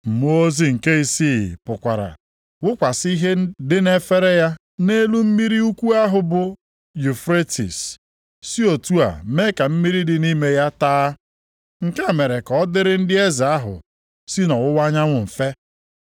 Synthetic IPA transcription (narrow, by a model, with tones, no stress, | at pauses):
m̩˨mu˦o˦zi˦ŋ̩˨ke˦i˨si˦pʊ˨kʷa˨ɾa̰˨ | wʊ˦kʷa˨si˦ɦe˦dɪ˦ne˦fe˦ɾe˦ja˦ | ne˦lu˦m̩˦mi˦ɾi˦u˦kʷu˦a˦ɦʊ˨bʊ˨ | ju˨fɾe˦tḭ˨sː | i˦o˨tu˦a̰˨me˦ka˨m̩˦mi˦ɾi˦dɪ˨ni˦me˨ja˦taː˦ | ŋ̩˨ke˦a˨me˨ɾe˨kɔ˦dɪ˦ɾɪ˦n̩˦dɪ˦e˦zɪ˨a˦ɦʊ̰˨ | si˦nɔ˨wʊ˦wa˦ɲa˦ŋʷʊ˨m̩˨fe˦